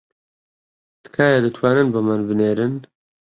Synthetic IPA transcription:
t̪ɨ̥kʰaːjad̪ɨt̪ʰwaːnɨnbɨmanbɨneːɾɨn

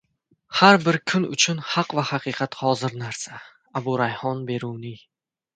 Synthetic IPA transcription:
haɾbɪɾkʰʊnʊ̰t͡ʃʰʊnhɑqvahaqʰiːqʰɑt̪hɒzɪɾnaɾsa | abʊɾajhɒnbe̞ɾuwnɪ

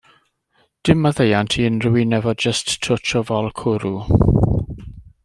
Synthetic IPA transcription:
d̥ɪməðejantʰiːənrɪwɪnɛvɔdd͡ʒəstʰːʊtʰɔvɔlˠkʰʊɾu

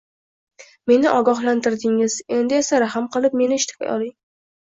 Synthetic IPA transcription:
me̞nɪʔɒɡɒɦlant̪ɪɾd̪ɪŋɪz̥e̞nd̪ɪesaɾaɦɨmqɨlˠɪp̚me̞nɪʃt̪ʰɪ̥kʰʲa̰jɒ̰lˠɪŋ

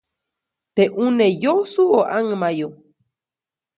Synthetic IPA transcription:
t̪eʔunejosuoʔaŋmajo

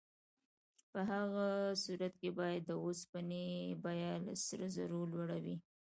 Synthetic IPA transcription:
pəɦaɣasuɾat̪kebɑjad̪ːəospanebajalsəɾza̰ɾolwaɽawi

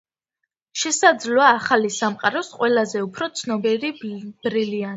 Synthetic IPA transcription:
ʃɛsad̪zlɔaːχalisamqʼaɾɔsqʼwɛlazɛupʰɾɔt̪sʰnɔbiɾib̥ɾilian

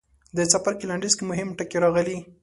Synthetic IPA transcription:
d̪ət͡sapaɾkilaɳɖizkemʊɦɪmʈəkeɾɑɣəli

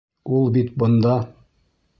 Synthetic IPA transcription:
ulˠbit̪̚bŏnd̪ɑ

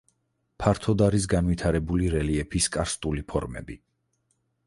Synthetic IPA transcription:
pʰaɾt̪ʰɔd̪aɾis̬ɡanwit̪ʰaɾɛbuliɾɛliɛpʰiskʼaɾst̪ʼulipʰɔ̰ɾmɛ̰bi

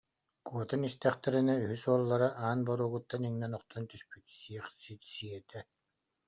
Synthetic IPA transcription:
kuɔt̪anist̪ɛχt̪ɛɾinayɦysuɔlˠːaɾaʔaːnbɔɾuːɣut̪ːaniŋnɛnɔχt̪ɔnt̪yspyt̪siɛχsit̪siɛt̪ʰɛ

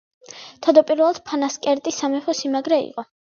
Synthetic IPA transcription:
t̪ʰad̪ɔpʼiɾvɛlˠad̪̥̚pʰanaskʼɛɾt̪ʼisamɛpɔsimaɡɾɛḭqʼɔ

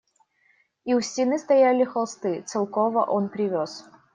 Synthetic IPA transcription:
iwsʲtʲinɨst̪ɐjalʲɪxɐlˠst̪ɨt̪sɨlˠkɔvɐ̰ʔɔnpɾʲɪvʲɔs

